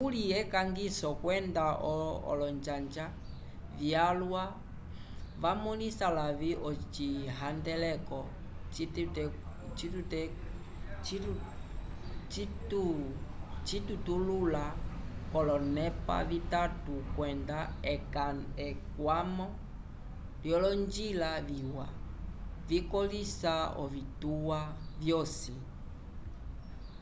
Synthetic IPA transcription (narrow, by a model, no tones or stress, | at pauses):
kuliɛkaŋɡisɔkwɛndaʔɔɔ̰lɔnd͡ʒand͡ʒa | vjalwa | βamulisalaβiʔɔt͡ʃiɦandɛlɛkɔ | t͡ʃtɛ | t͡ʃitutɛ | t͡ʃi | t͡ʃitu | t͡ʃitutululakɔlɔnɛpa̰vitatukwɛndaɛkaɛkwamɔ | ljɔlɔnd͡ʒilaviwa̰ | vikɔlisaɔ̰vituwavjɔsi